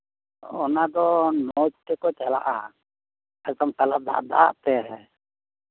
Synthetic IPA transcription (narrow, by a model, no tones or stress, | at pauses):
ɔnad̪ɔnɔd͡ʒt̪ɛkɔt͡ʃala̰ʔa | ad͡ʒt̪ɔmsalab̚d̪a̰ʔ̚d̪a̰ʔt̪ɛɦɛ